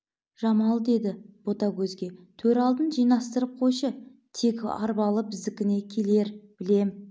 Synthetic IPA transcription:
ʒ̥ɑmɑlˠd̪e̞d̪ɪb̥o̞t̪ɑkʲʰɵzɡʲe̞t̪ʰɵɾɑlˠd̪ənʒijnɑst̪əɾəp̚qʰo̞jʃə | t̪ʰe̞kʲɑ̰ɾbɑlˠəbɪzd̪ɪkʲɪne̞kʲʰe̞le̞ɾb̥ɪle̞m

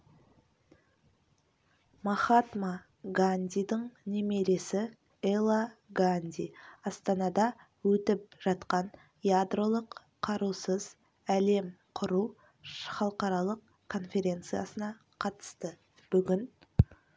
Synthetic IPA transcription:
mɑχɑt̪ma | ɡanʲd̪ʲijd̪əɴnemeɾe̞sɪ | elˠaɡanʲd̪ʲḭjɑst̪ɑnɑd̪ɑ | wɵt̪ɪp̚ʒ̥ɑt̪qɑn | jad̪ro̞lˠəq | qʰːɑɾusəz̥ | æle̞mqʰʊɾu | χɑlˠəqɑɾɑlˠəq | kʰo̞nfʲe̞ɾʲe̞nt̪sɨjasənɑ | qʰɑt̪ə̥st̪ə | b̥ʏɡʲɪn

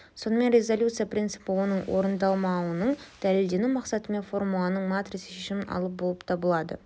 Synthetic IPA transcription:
so̞nəme̞nɾʲe̞zolʲjut̪sɨijaprʲint̪sɨpəwo̞nəɴwoɾənd̪ɑlˠmɑwənəɴd̪̥æle̞ld̪e̞numɑqsɑt̪əme̞nfo̞ɾmulˠɑnəɴmat̪risə̥ʃeʃɪmɪnʔɑ̰lˠəp̚bo̞lˠəpt̪ʰɑbəlˠɑd̪ə̰

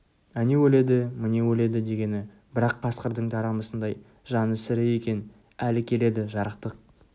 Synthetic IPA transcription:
ænewɵle̞d̪ɪmɪnewɵle̞d̪ɪd̪e̞ɡʲe̞nɪ | bɪɾɑqʰːɑsqəɾd̪əɴt̪ʰɑɾɑməsənd̪ɑj | ʒɑnəsɪɾɪje̞kʲe̞n | ælɪkʲʰe̞le̞d̪ɪʒɑɾəqt̪əq̚

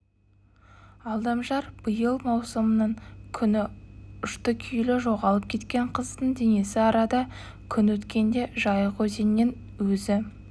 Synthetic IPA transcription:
ɑlˠd̪ɑmʒɑɾb̥əjəlˠmɑwsəmənəɴkʲʰʏnɪʊʃt̪əkʲʰʏjlɪʒo̞ʁɑlˠəp̚kʲʰe̞t̪kʲe̞ɴqʰəzd̪əɴd̪ene̞sɪɑɾɑd̪ɑ | kʲʰʏnwɵt̪kʲe̞nd̪e̞ʒɑjəqɵze̞nːen | wɵzɪ

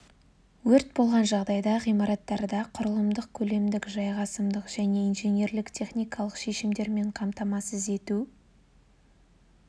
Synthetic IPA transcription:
wɵɾt̪̚bo̞lˠʁɑnʒɑʁd̪ɑjd̪ɑʁijmɑɾɑt̪ːɑɾd̪ɑqʰʊɾəlˠəmd̪əq̚kʲʰɵle̞md̪ɪkʒɑjʁɑsəmd̪əqʒ̥æne̞inʒe̞nje̞ɾlɪkt̪ʲʰe̞χnʲijkɑlˠəqʃe̞ʃɪmd̪e̞ɾme̞ɴqʰɑmt̪ɑmɑsəze̞t̪u

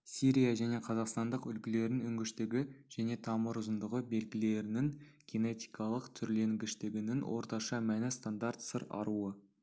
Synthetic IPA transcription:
siɾʲijaʒæne̞qʰɑzɑqst̪ɑnd̪əqʏlkʲɪle̞ɾɪnʏŋɡʲɪʃt̪ɪɡʲɪʒ̥æne̞t̪ʰɑməɾʊzənd̪əʁəbe̞lɡʲɪle̞ɾɪnɪŋɡʲene̞t̪ijkʰɑlˠəqt̪ʰʏɾle̞ŋɡʲɪʃt̪ɪɡʲɪnɪŋwʔo̞̰ɾt̪ɑʃɑmænɪst̪and̪aɾt̪səɾɑ̰ɾuə

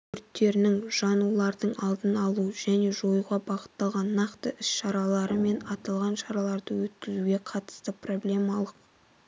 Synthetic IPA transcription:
kʰʏɾt̪ːe̞ɾɪnɪŋʒ̥ɑnulˠɑɾd̪əɴɑlˠd̪ənɑlˠuʒ̥æne̞ʒo̞juʁɑbɑʁə̥t̪ːɑlˠʁɑnːɑqt̪əʔɪsʃɑɾɑlˠɑɾəme̞nɑt̪ɑlˠʁɑnʃɑɾɑlˠɑɾd̪əwɵt̪kʲɪzuɡʲe̞qʰɑt̪ə̥st̪əpro̞blʲe̞mɑlˠəq̚

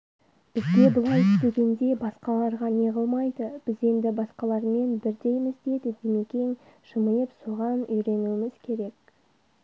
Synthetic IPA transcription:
b̥ɪzɡʲe̞bʊlˠɑjst̪eɡʲe̞nd̪e̞bɑsqɑlˠɑɾʁɑne̞ʁəlˠmɑjd̪əb̥ɪze̞nd̪ɪbɑsqɑlˠɑɾme̞nbɪɾd̪e̞jmɪzd̪e̞d̪ɪd̪eme̞kʲe̞ŋʃəməjəpsuʁɑnʏjɾe̞nuɪmɪzkʲʰe̞ɾe̞k̚

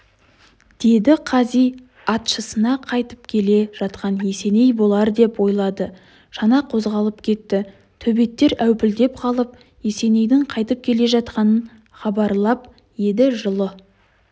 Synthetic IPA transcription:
d̪̥e̞d̪ɪqʰɑzij | ɑt̪ʃəsənɑqʰɑjt̪əp̚kʲʰe̞le̞ʒ̥ɑt̪qɑnje̞se̞ne̞jbo̞lˠɑɾd̪e̞pwo̞jlˠɑd̪ə | ʃɑnɑqʰo̞zʁɑlˠəp̚kʲʰe̞t̪ːɪ | t̪ʰɵbe̞t̪ːe̞ɾæwpɪld̪e̞p̚qʰɑlˠəp̚ | je̞se̞ne̞jd̪ɪɴqʰɑjt̪əp̚kʲʰe̞le̞ʒɑt̪qɑnən | χɑbɑɾlˠɑp̚ | je̞d̪ɪʒəlˠə

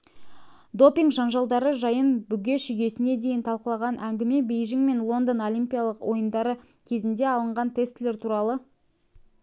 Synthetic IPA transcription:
d̪o̞pʲiŋɡʒɑnʒɑlˠd̪ɑɾəʒɑjənbʏɡʲe̞ʃʏjʲe̞sɪne̞d̪e̞jɪnt̪ʰɑlˠqəlˠɑʁɑnʔæŋɡʲɪme̞be̞jʒɪŋme̞nlˠo̞nd̪əno̞lʲimʲpʲijalˠəqwʔo̞jənd̪ɑɾə | kʲʰe̞zɪnd̪e̞ɑlˠəɴʁɑnt̪ʰe̞st̪le̞ɾt̪ʰuɾɑlˠə

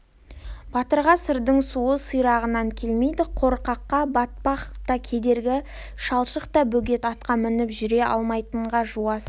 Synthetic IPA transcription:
b̥ɑt̪əɾʁɑsəɾd̪əɴsuəsəjɾɑʁənɑŋkʲʰe̞lme̞jd̪ɪqʰo̞ɾqɑqːɑbɑt̪̚pɑqt̪ɑkʲʰe̞d̪e̞ɾɡʲɪ | ʃɑlˠʃəqt̪ɑbɵɡʲe̞t̪ɑt̪qɑmɪnɪpʒʏɾe̞ʔɑ̰lˠmɑjt̪əɴʁɑʒuɑs

